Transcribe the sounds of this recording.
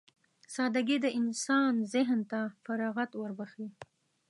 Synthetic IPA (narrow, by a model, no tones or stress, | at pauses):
sɑd̪aɡed̪əʔɪnsɑnzɪɦnt̪afaɾɑɣat̪wəɾbaxi